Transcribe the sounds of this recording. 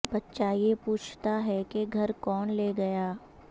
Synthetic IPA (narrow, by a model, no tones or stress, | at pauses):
bɐtːʃaːjepuːt͡ʃʰt̪aɦɛkeɡʱɐɾkɔːnleːɡɐjaː